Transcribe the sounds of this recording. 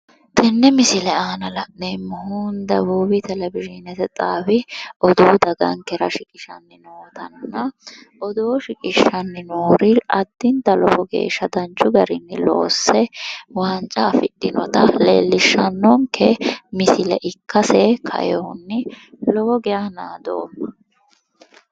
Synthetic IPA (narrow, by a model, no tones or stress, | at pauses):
t̪ʰɛnːɛmɪsɪlɛaːnɐlɐʔneːmːɔhund̪ɐbuːbɪt̪ɛlɛbɪʒɪnɛt̪ɛt͡sʼaːwɪɔd̪ud̪ɐɡɐ̰ŋkːɛɾɐʃɪkʼɪ̥ʃɐnːɪnoːt̪ɐnnːɐ | ɔd̪owɔʃɪkʼɪʃːɐnːɪnoːɾɪɐd̪ːɪnt̪ɐlɔbɔɡe̞̰ːʃːɐd̪ɐnt͡ʃːʊɡɐɾɪnːɪlo̰ːsːɛwaːnt͡ʃʼɐːfɪt̪ʼːɪnɔ̰t̪ɐlḛːlːɪʃːɐnːɔŋkɛmɪsɪlɛ̰ʔɪkːɐsɛkʰɐ̰jɔnːɪlɔhɔɡɛjaːna̰ːd̪o̰ːm